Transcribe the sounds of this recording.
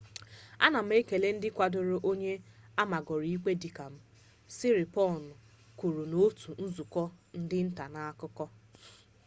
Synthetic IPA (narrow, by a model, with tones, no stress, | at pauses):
a̰˦na˨m̩˦e˦ke˨le˦n̩˦dɪ˦kʷa˨dʊ˦ɾʊ˦ʔo˦ɲe˦a˦ma˨ɡɔ˨ɾi˨i˦ke˦di˨ka˨m̩˦ | sɪ˦ɾɪ˨pɔ˦˨nʊ˨ | ku˨ɾu˨no˦tu˨n̩˦zu˨kɔ˦n̩˦dɪ˦n̩˦ta˨na˨a˦kʊ˦kɔ˦